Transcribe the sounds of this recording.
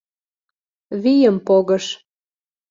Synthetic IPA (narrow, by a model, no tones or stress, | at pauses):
βijəmpoɣəʃ